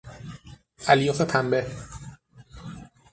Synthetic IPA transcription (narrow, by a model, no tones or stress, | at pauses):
ʔæljoːfep̪ʰæmbe